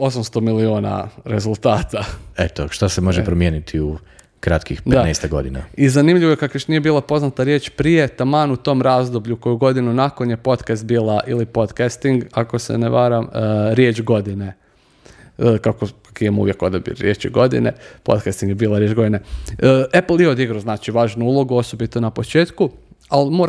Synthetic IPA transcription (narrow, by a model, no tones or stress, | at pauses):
o̞samst̪o̞miliuːna̰ɾe̞zulˠt̪aːt̪aet̪oʃt̪asemo̞ʒepɾomjeːnit̪ʰiu | kɾat̪kixpd̪etanest̪eɡo̞̰d̪ina̰izanimʎʲiʋojekakjoʃnije̞biːlˠapo̞znat̪aɾje̞t͡ʃpɾije̞t̪amanut̪o̞ːmɾaːzd̪obʎuko̞juɡo̞d̪inunako̞nje̞po̞t̪kast̪̚biːlˠaʔilipo̞t̪kast̪iŋɡako̞sḛneʋaːɾamɾje̞t͡ʃɡo̞d̪ine | kakokakijemṵʋje̞ko̞d̪abḭɾjet͡ʃiɡo̞d̪ḭnḛpo̞̰t̪kast̪iŋɡjebiːlˠaɾjed͡ʒɡo̞d̪ineəeplˠjeo̞d̪iɡɾoznaːt͡ʃiʋaːʒnuulˠo̞ɡuo̞so̞bit̪onapot͡ʃe̞ːt̪kualmo̞ːɾ